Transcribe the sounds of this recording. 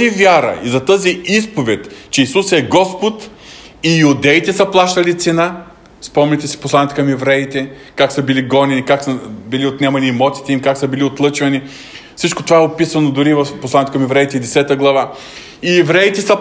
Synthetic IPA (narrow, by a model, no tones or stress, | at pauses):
ivʲjaɾɐ̰izɐt̪əziispovɛt̪ʲt͡ʃɛisusɛɡɔspʊt̪ijʊd̪ɛit̪ɛsɐplˠaʃt̪ɐlit̪sɛna | spɔmnɛt̪ɛsi̥pʊslˠanʲiːt̪ɛkɐmɛvɾɛit̪ɛkaksəbiliɡɔnɛnikaksəbiliot̪nɛmɐniːmɔt̪si̥t̪ɛimkaksəbiliot̪lˠɤt͡ʃvɐni | fsit͡ʃkot̪ovaɛopisɐnod̪ʊɾivɐfposlˠanʲit̪ɛ̥kɐmɛvɾɛit̪ɛid̪ɛsɛt̪əɡlˠɐva | iɛvɾɛit̪ɛsə